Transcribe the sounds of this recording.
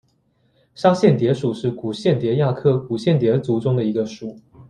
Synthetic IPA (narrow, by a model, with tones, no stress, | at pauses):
ʂa˥ŋɕjɛ˥˩nt̪jɛ˧˥ʂu˨˩ʂɻ̩˥˩ku˨˩ɕjɛ˥˩nt̪jɛ˨˧˥ja˥˧kʰɤ˥˩ku˨˩ɕjɛ˥˩nt̪jɛ˧˥t͡su˨˧˥ʈ͡ʂʊ˥ŋd̪ə˨i˧˥ɡə˧ʂu˨˩